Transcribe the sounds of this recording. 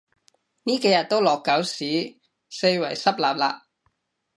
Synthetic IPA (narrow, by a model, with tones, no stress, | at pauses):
niː˥ke˨˧jɐ˨t̚t̪o˥wlɔː˨˩kːɐ˨˥wsiː˨˥ | se˧jwɐ˨˩jsɐ˥p̚laː˨p̚la̰ː˧p̚